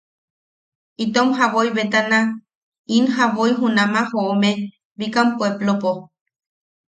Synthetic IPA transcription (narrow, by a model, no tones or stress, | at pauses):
it̪omɦaβoiβet̪anã | inɦaβoiɦunãmãhoomẽ | βikampoeplopo